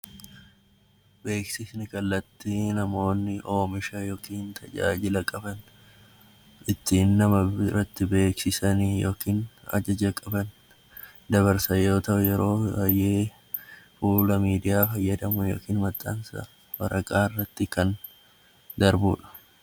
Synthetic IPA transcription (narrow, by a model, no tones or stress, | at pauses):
be̞ːksɪsnɪkɐlːɐt̪ːinɐmo̞ːnːɪʔo̞ːmɪʃɐjo̞ːkiːnt̪ʰɐd͡ʒa̰ːd͡ʒɪlɐkʼɐbɐn | ʔɪt̪ːiːnːɐmɐrːɐt̪ːɪbe̞ːksɪsɐnijo̰ːkiːnɐ̰d͡ʒɐd͡ʒɐkʼɐbɐn | d̪ɐβɐɾsɐjo̞ːt̪ɐʔʊjɛɾo̞ːɐjːeː | fuːlɐmiːd̪ɪjaːfɐjːɐd̪ɐmʊjo̞̰ːkiːnmɐt̪ʼːaːnsɐ̰ | wɐɾɐkʼaːɪrːɐt̪ːɪkɐn | d̪ɐɾbuːᶑɐ̥